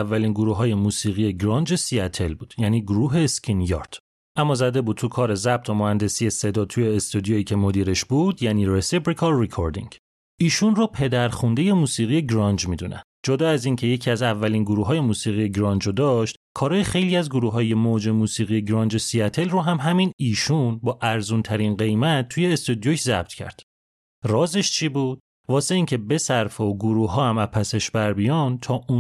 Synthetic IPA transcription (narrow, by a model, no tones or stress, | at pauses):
vːæliːnɡoɾuːɦɒːje̞muːsiːɣije̞ɡɾɒnd͡ʒe̞siæt̪ʰe̞lbuːd̪̥jæniːɡoɾuːɦe̞skʰinjɒ̰ɾd̪̥ | ʔæmːɒːzæd̪e̞buːd̪̚tʰukʰɒːɾe̞zæb̚t̪ʰomohænd̪e̞siːje̞se̞d̪ɒːt̪ʰuje̞ːst̪ud̪ijoiːcʰe̞mod̪iːɾeʃbuːd̪jæniːɾesibɾikʰɒɾikʰoɾd̪ḭŋɟ | iːʃunrɔpʰe̞d̪æɾχund̪e̞je̞muːsiːɣije̞ɡɾɒnd͡ʒmiːd̪unʔæ̰n̥d͡ʒod̪ɒːæziːncʰe̞je̞cʰiæzævːæliːnɡoɾuːɦɒːje̞muːsiːɣije̞ɡɾɒnd͡ʒod̪ɒʃt̪kʰɒːɾɒːjexejliːæzɡoɾuːɦɒːje̞mod͡ʒe̞muːsiːɣije̞ɡɾɒːnd͡ʒesiæt̪ʰe̞lroɦæmɦæminiːʃunbɒːʔæɾzuːnt̪ʰæɾinɢe̞jmæt̪̚ʰːuːje̞ːst̪ud̪jocʰzæ̰b̚t̪ʰcʰæ̰ɾd̪̥ | rɒːzeʃt͡ʃʰibuːd̪̥ | vɒːse̞iːŋcʰe̞be̞sæɾfooɡoɾuːɦɒːhæmæpʰæse̞ʃbæɾbijɒnd̪t̪ʰɒːu